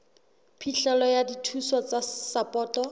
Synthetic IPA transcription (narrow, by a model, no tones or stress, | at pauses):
pʰiɬɛlɔjaditʰuswat͡sasapʼɔːtɔ